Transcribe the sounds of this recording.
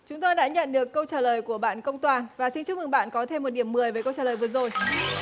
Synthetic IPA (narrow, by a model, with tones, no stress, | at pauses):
t͡ɕʊ˨˦ŋ͡mt̪o˧jɗa̰ː˧˥ɲə̰˧˨nɗɨ˨˩əkːə˧wt͡ɕaː˨˩ləː˨˩jku˧˩əɓa̰ː˧˨nkə˧wŋ͡mt̪waː˨˩nvaː˨˩si˧nt͡ɕu˦˥mɨ˨˩ŋɓa̰ː˧˨nkɔ˨˦t̪ʰe˧mː˨˩t̚ɗi˧˩əmːɨ˨˩əjvəː˨˦kə˧wt͡ɕaː˨˩ləː˨˩vəzo˨˩j